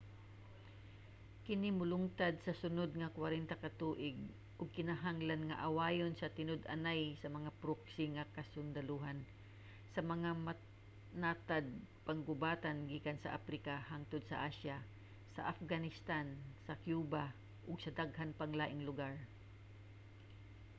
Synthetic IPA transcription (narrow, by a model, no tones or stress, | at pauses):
kɪnɪmʊlʊŋt̪ad̪̚sɐsʊnod̪̚ŋɐkwaɾɛnt̪akɐt̪uːʔɪɡ̚ | ʔʊɡ̚kɪnaɦaŋlanŋaʔawaːjonsɐt̪ɪnod̪a̰najsɐmɐŋapɾoksɪŋakɐsʊnd̪ɐluɦan | sɐmɐŋama | nat̪ad̪̚paŋɡʊbaːt̪anɡiːkansɐ̰ʔa̰pɾɪkahaŋt̪ʊd̪̚sɐ̰ʔaʃja | sɐʔafɡanɪst̪ansɐkjuːba | ʔʊɡsɐd̪aɡhanpaŋlaːʔɪŋlʊɡaɹ